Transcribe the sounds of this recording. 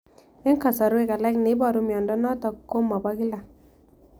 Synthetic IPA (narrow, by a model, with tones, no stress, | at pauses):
mɪ˦ŋka˨sa˨ɾwe˦ka˨lɛ˦knɪ˨˦bɔ˨ɾu˦mjɔ˨ndɔ˦nɔ˦tɔ˨kːo˦mːɔ˨ba˦ki˦la˨